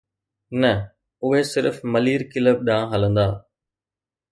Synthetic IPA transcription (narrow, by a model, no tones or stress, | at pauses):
nɐ | ʊɦesɪɾfmɐliːɾkɪləb̚ɗãːɦɐlə̃nd̪aː